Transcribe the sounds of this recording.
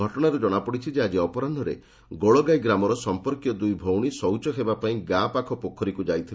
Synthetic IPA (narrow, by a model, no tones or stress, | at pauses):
ɔʈɔɽ̃aɾud͡ʒɔɽ̃apɔɽit͡ʃʰid͡ʒead͡ʒiɔpɔɾand̪ʱɔɾḛ | ɡoɭɔɡajɡɾamɔɾɔsɔmpɔɾkjɔd̪ujbʱowɽ̃isɔwt͡ʃɔɦebapaĩɡapakʰɔpokʰːɔɾikud͡ʒajt̪ʰi